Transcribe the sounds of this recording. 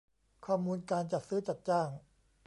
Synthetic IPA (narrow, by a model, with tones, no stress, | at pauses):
kʰɔː˥˩muː˧nkaː˧nt͡ɕa˨˩t̪̚sɯː˦˥t͡ɕa˨˩t̪̚t͡ɕaː˥˩ŋ